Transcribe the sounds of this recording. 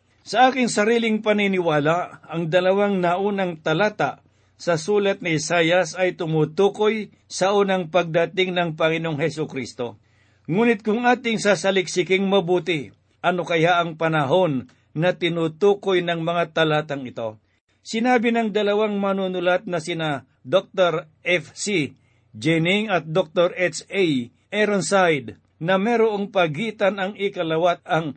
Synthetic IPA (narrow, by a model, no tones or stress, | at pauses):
sɐʔaːkɪŋsɐɾiːlɪŋpɐninɪwaːlaʔɐŋd̪ɐlɐwaŋnɐʔuːnɐŋt̪ɐlaːt̪aʔ | sɐsuːlɐt̪̚nɪsaːjɐsɐjt̪ʊmuːt̪uːko̞j | sɐʔuːnɐŋpɐɡ̚d̪ɐt̪ɪŋnɐŋpɐŋɪno̞ŋɦɛsʊkɾist̪o̞ | ŋuːnɪt̪̚kʊŋʔaːt̪ɪŋsasɐlɪk̚sɪkɪŋmɐbuːt̪ɪ | ʔɐno̞kɐjaʔɐŋpɐnɐɦo̞nː | ɐt̪ɪnut̪uːkojnɐŋmɐŋat̪ɐlat̪ɐŋɪt̪o̞ | sɪnaːbɪnɐŋd̪ɐlɐwaŋmɐnunʊlat̪̚nɐsɪna | d̪ok̚t̪oɾ | ɛfsi | d͡ʒɛnɪŋɐt̪̚d̪ok̚t̪oɾɛsaj | ʔɛɾonsajd̪ | nɐmɛɾoʔoŋpɐɡiːt̪anɐŋɪkɐlɐwat̪̚ɐŋ